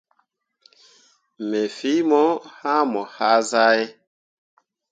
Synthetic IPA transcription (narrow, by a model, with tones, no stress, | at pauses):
mɛ˨fi˦mɔ˦ha˦mɔ˨ha˦za˦ɛ˦